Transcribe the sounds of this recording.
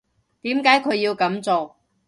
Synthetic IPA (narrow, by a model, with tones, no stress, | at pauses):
t̪iː˨˥mkaː˨˥jkʰɵ˨˧ɥjiː˧wkɐ˨˥mt͡soː˨